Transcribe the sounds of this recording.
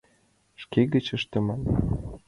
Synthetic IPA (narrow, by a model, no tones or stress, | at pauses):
ʃkeɣə̆t͡ɕə̆ʃt̪ə̆mɑn